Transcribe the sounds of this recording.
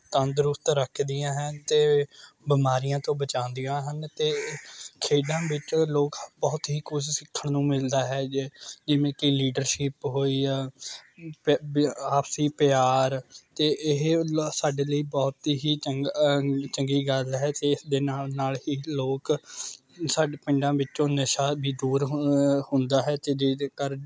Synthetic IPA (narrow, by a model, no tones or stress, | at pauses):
t̪ənd̪ɾʊpt̪ɾəkʰd̪ɪjãːɦənt̪eːbɪmaːɾijãːt̪õːbət͡ʃãːnd̪ijãːɦənt̪eːkʰeːɖãːʋɪt͡ʃloːkbɔːt̪ɦiːkʰʊd͡ʒsɪkʰːəɳnũːmɪld̪aːɦɛːd͡ʒɪʋẽːkɪliːɖəɾʃɪpɦoːiː | paːpsiːpɪjaːɾt̪eːʔɪɦsaːɖeːləiːbɔːt̪ɦiːə | t͡ʃəŋɡiːɡəlɦɛːt̪eːɪsd̪eːnaːnaːlɦiːloːk | saːɖpɪ̃ɳɖãːʋɪt͡ʃõːnəʃaːbʱiːd̪uːɾhʊ̃nd̪aːɦɛːt̪eːd͡ʒed̪eːkəɾ